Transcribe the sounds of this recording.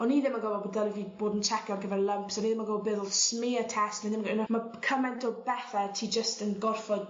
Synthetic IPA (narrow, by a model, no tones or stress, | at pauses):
ɔniːðɪmaɡɔvɔbdɛləvib̥oːdn̩t͡ʃʰɛkɔnɡəvɛrlˠəmpsɔniːðɪmaɡɔvɔbɪːðlˠsmɪːətʰɛstniðɪmnmakʰəmɛntʰɔbɛθɛtʰiːd͡ʒəstənɡɔrfɔd̥